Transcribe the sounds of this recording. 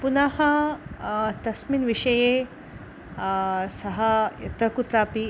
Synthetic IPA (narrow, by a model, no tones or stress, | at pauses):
punaɦɐ | t̪ɐsminʋiʂɐje | sɐɦɐḛt̪ɐkut̪api